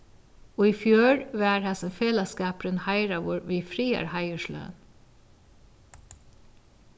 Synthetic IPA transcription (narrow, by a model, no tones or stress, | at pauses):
oːiːfjøːɹʋæːɾhæsɔmfeːlɑskɑːpɾənhæɪɾɑʋʊɹʋiːfɾiːæ̰ɾhæɪəʃlœ̰ːn